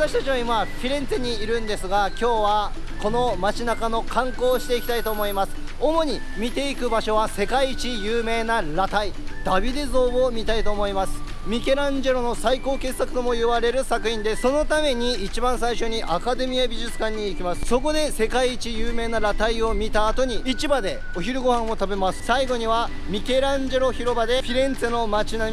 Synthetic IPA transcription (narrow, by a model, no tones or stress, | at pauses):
βat̪aɕi̥t̪at͡ɕiβaimapʲiɾẽ̞nt͡seɲ̟iːɾɯ̟̃nd̪e̞sɨɡakʲo̞ːβa | ko̞no̞mat͡ɕinakano̞kʰãŋko̞ːɕi̥t̪e̞ikʲt̪ait̪o̞ːmo̞imasɨ̥ | o̞mo̞ɲ̟i | mʲit̪e̞ikɯ̟baɕo̞βase̞kaiːt͡ɕijɯ̟ːme̞ːnaɾat̪aid̪̥abʲid̪e̞zo̞ːβomʲit̪ait̪o̞ːmo̞imasɨ̥ | mʲike̞ɾãɲ̟d͡ʑe̞ɾo̞no̞saiko̞ːke̞sakɯ̟t̪o̞mo̞jɯ̟βaɾe̞ɾɯ̟sakɯ̟çĩnd̪e̞sso̞no̞t̪ame̞ɲ̟iːt͡ɕibãɰ̃saiɕo̞ɲ̟iʔakad̪e̞mʲiabʲiʑɨt͡sɨ̥kãɲ̟ːiːkʲimasɨ̥so̞ko̞d̪e̞se̞kaiːt͡ɕijɯːme̞ːnaɾat̪aio̞mʲit̪aːt̪o̞ɲ̟iit͡ɕibad̪e̞ | oçiɾɯ̟ɡo̞hãɰ̃o̞t̪abe̞masɨ̥saiɡo̞ɲ̟iβa | mʲike̞ɾãɲd͡ʑe̞ɾo̞çiɾo̞bad̪e̞ɸʲiɾẽ̞nt͡sɨno̞mat͡ɕina